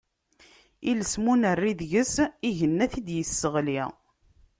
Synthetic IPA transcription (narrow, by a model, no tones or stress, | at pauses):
iləsmunərːiðʝəsiʝənːæθid̪jəsːəʁli